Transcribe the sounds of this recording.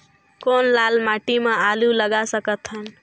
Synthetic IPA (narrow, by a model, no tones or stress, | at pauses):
konlalmaʈimẽaluləɡasəkət̪ɦən